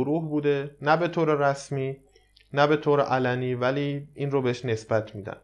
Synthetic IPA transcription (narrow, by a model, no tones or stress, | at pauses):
oɾuːhbuːd̪e̞næbe̞t̪ʰoːɾeɾæsmiː | næbe̞t̪ʰoːɾeʔælæniːvæliːʔinrobeeʃne̞sbæt̪ʰmiːd̪æ̰n